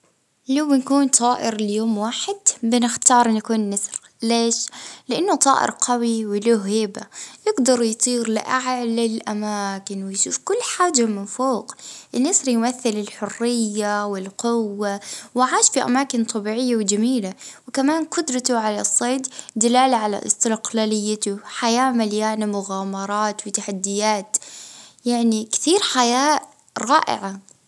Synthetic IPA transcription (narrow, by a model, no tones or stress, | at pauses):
lawɪnkuːnt̪ˤʰɑːʔɪɾlɪjoːmwaːħɪd̪bɪnɪxt̪ɑːɾˤʔɪnːakuːnːɑsˤɾ | leːʃlɪʔanːʊt̪ˤɑ̰ːʔɪ̰ɾqʰawiwɪloɦhɪːba̰jɪɡd̪ɑɾˤjt̪ˤiːɾlɪ̰ʔaʕalɪlʔamaːkɪnwɪjʃuːfkʊlːħaːd͡ʒamɪnfoːqʔɪnːɪsˤɾjmaθːɪlɪlħʊrːɪjːawɪlqʊwːawaʕaːʃfiʔa̰maːkɪnt̪ˤʰɑbiːʕɪjːawɪd͡ʒamiːlawɪkamaːnqʊd̪ɾˤɑt̪ʊʕalasˤːeːd̪d̪ɪlaːlaʕala̰ʔɪ̰st̪ɪɾqlaːlɪjːat̪ʊħajaːmaljaːnamʊɣaːmɑɾˤɑːt̪wɪt̪aħad̪ːɪjaːt̪jaʕnikt̪iːɾħajaː | ɾˤɑːʔɪ̰ʕa